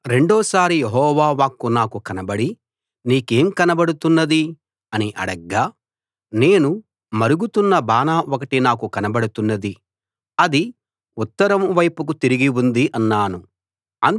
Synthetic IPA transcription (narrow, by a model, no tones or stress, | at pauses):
ɾe̞ɳɖɔːsaːɾijeɦɔːʋaːʋaːkːunaːkukɐnɐbɐɽi | niːke̞ːmkɐnɐbɐɽut̪unːɐd̪i | ɐniʔɐ̰ɽɐɡːaː | ne̞ːnu | mɐɾuɡut̪unːɐbaːnaːokɐʈinaːk̬ukɐnɐbɐɽut̪unːɐd̪i | ɐd̪i | ut̪ːɐɾɐmʋɐjpuk̬ut̪iɾiɡiund̪iʔɐnːaːnu | ɐn